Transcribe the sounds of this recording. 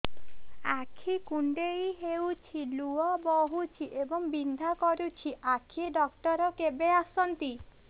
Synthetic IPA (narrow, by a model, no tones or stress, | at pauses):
akʰikuɳɖejɦewt͡ʃʰiluɔbɔɦut͡ʃʰiʔebɔŋbind̪ʱakɔɾut͡ʃʰiʔakʰieɖɔkʈɔɾɔkebeasɔnt̪i